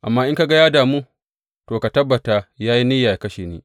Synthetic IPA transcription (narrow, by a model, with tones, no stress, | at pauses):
ʔa̰˨mːaː˦ʔɪ˦ŋka˨ɡa˦jaː˦daː˨muː˦ | toː˨ka˨tɐ˦bːɐ˨ta˨jaː˦ji˦nɪ˦jːaː˨ja˨kɐ˦ʃeː˨neː˦